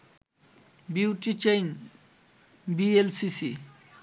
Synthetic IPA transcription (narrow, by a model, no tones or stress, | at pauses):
biwʈit͡ʃejn | bielsisi